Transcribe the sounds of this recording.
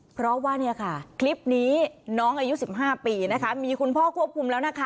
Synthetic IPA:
pʰɾɔ˦˥waː˥˩ni˥˩ɐkʰa˥˩kʰli˦˥p̚niː˦˥nɔː˦˥ŋʔaː˧ju˦˥si˨˩p̚ɦaː˥˩piː˧na˦˥kʰa˦˥miː˧kʰu˧npʰɔː˥˩kʰu˥˩əp̚kʰu˧mlɛː˦˥wna˦˥˩kʰa˦˩

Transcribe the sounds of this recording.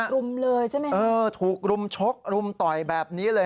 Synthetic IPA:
ɾu˧mlɤː˧jt͡ɕʰa˥˩jma˦˥ʔɤː˧t̪ʰuː˨˩k̚ɾu˧mt͡ɕʰo˦˥k̚ɾu˧mt̪ɔ˨˩jbɛː˨˩p̚niː˦˥lɤː˧

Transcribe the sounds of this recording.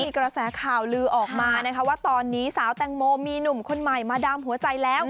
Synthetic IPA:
iː˧kɾa˧sɛː˩˦kʰaː˨˩wlɯː˧ʔɔː˨˩k̚maː˧na˦˥kʰa˦˥waː˥˩t̪ɔː˧nːiː˦˥saː˩˦wt̪ɛ˧˩ŋmoː˧miː˧nu˨˩mkʰo˧nma˨˩jmaː˧daː˧mɦu˩˦ɐt͡ɕa˧jlɛː˦˥w

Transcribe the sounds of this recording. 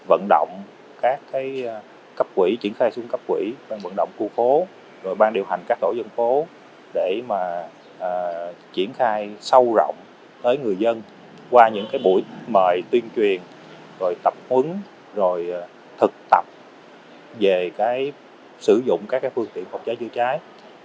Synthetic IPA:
və̰˧˨nɗo̰˧˨wŋ͡m | kaː˦˥kːaː˨˦j | kə˦˥p̚kwḭ˧˩t͡ɕi˧˩ənxaː˧jsu˧ŋkə˦˥p̚kwḭ˧˥ɓaː˧ŋvə̰˧˨nɗo̰˧˨wŋ͡mku˧fo˨˦ | zo˨˩jɓaː˧ŋɗi˨˩əwɦa˨˩ŋ̟kaː˦˥k̚t̪ʰo˧˩zə˧nfo˨˦ | ɗe˧˩maː˨˩ | ʔəː˨˩t͡ɕi˧˩ənxaː˧jsə˧wzɔ̰˧˨wŋ͡m | t̪əː˨˦jŋɨ˨˩əjzə˧n | kwaː˧ɲɨ̰˧˥ŋkaː˨˦jɓṵ˧˩˥jməː˨˩jt̪wi˧ənt͡ɕwi˨˩ən | zo˨˩jt̪ə˨˩p̚hwɨ˨˦ŋ | zo˨˩j | t̪ʰɨ˨˩k̚t̪ə˨˩p̚ | ve˨˩kaː˨˦j | sɨ˧˩zʊ̰˧˨ŋ͡mkaː˦˥k̚ːaː˨˦jfɨ˧əŋt̪ḭ˧˨ənhk͡p̚t͡ɕaː˨˦jt͡ɕɨ̰˧ət͡ɕaː˨˦j

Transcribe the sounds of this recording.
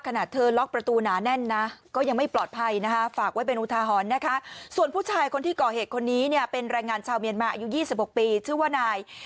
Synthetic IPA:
kʰa˧naː˨˩t̪ʰːɤː˧lɔ˦˥k̚pɾa˧t̪uː˧naː˩˦nɛ˥˩nːa˦˥kɔː˥˩ja˧ŋma˥˩jplɔː˨˩t̪̚pʰa˧jna˦˥kʰa˦˥faː˨˩k̚wa˥˩pe˧nʔuː˧˥t̪ʰaː˧ɦɔː˨˩˦nːa˦˥kʰa˦˥su˨˩ənpʰuː˥˩t͡ɕʰaː˧jkʰo˧nt̪ʰiː˥˩kɔː˨˩heː˨˩t̪̚kʰo˧nːiː˦˥ni˥˩əpe˧nɾaː˧ŋaː˧nt͡ɕʰaː˧wmi˧ənmaː˧ʔa˧ju˦˥jiː˥˩si˨p̚ho˨˩k̚piː˧t͡ɕʰɯː˥˩waː˥˩naː˧j

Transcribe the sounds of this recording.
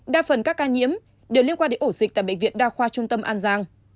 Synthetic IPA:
ɗaː˧˩fə˨˩nkaː˦˥kːaː˧ɲḭ˧˥əm | ɗe˨˩wli˧ənkwaː˧nɗe˧˦nʔo˧˩zi˨˩t̪aː˧˨jɓḛ˧˨ŋvḭ˧˨ənɗaː˧xwaː˧t͡ɕʊ˧ŋ͡mt̪ə˧mʔaː˧nzaː˧ŋ

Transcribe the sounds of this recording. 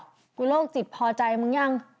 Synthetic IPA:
kuː˧˦loː˥˩k̚t͡ɕi˨˩t̪̚pʰɔː˧t͡ɕa˧jmɯ˧˦ŋja˧˥˩ŋ

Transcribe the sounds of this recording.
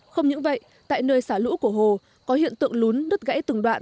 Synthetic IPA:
xə˧wŋ͡mɲɨ̰˧˥ŋvə̰˧˨j | t̪a̰ː˧˨jnəː˧jsaː˧˩lṵ˧˥ku˧˩əɦo˨˩ | kɔ˨˦ɦḭ˧˨ənt̪ɨ̰˧˨əŋlu˨˦nːə˦˥t̚ɣa̰ː˧˥jt̪ɨ˨˩ŋɗwa̰ː˧˨n

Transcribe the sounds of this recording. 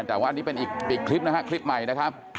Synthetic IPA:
ŋt̪aː˨˩waː˥˩˨nːiː˦˥pe˧nʔiː˨˩k̚iː˨˩kʰli˦˥p̚na˦˥kʰa˦˥kʰɾi˦˥p̚ma˨˩jna˦˥kʰa˦˥p̚

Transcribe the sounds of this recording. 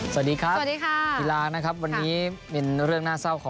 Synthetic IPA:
sa˩diː˧kʰɾa˦˥˨diː˧kʰaː˥˩iː˧laː˧na˦˥kʰa˦˥p̚wa˧nːiː˦˥pe˧nɾɯ˥˩əŋnaː˥˩sa˥˩wkʰɔː˩˦

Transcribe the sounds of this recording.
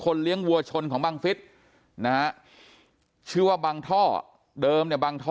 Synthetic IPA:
kʰo˧nli˦˥əŋwu˧ɐt͡ɕʰo˧nkʰɔː˩˦ŋbaː˧ŋfi˦˥t̪̚ | na˧ha˦˥ | t͡ɕʰɯː˥˩waː˥˩baː˧ŋt̪ʰɔː˥˩ | dɤː˧mni˥˩ɐbaː˧ŋt̪ʰɔː˥

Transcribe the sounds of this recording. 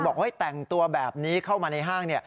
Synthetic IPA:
bɔː˨˩k̚ha˥˩jt̪ɛ˨˩ŋt̪u˧ɐbɛː˨˩p̚niː˦˥kʰa˥˩wmaː˧na˧jɦaː˥˩ŋni˥˩ɐ

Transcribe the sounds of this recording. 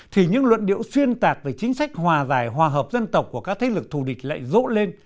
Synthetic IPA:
t̪ʰi˨˩ɲɨ̰˧˥ŋlwə̰˧˨nɗḭ˧˨əwswi˧ənt̪aː˨˩k̚ve˨˩t͡ɕi˨˦ŋ̟sa˦˥k̚hwaː˨˩zaː˧˩jɦwaː˨˩ɦəː˨˩p̚zə˧nt̪ə˨˩wk͡pku˧˩əkaː˦˥k̚t̪ʰe˨˦lɨ˨˩k̚t̪ʰu˧˩ɗï˨˩k̟̚la̰ː˧˨jzo̰˧˥le˧n

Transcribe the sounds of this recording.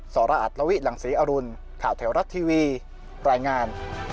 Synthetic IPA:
sɔː˩˦ɾaː˧ʔa̰˨˩t̪̚la˧wi˦˥la˩˦ŋsiː˩˦ʔaː˧ɾu˧n | kʰaː˨˩wt̪ʰe˩˦wɾa˦˥t̪ʰːiː˧wiː˧ | ɾaː˧jŋaː˧n

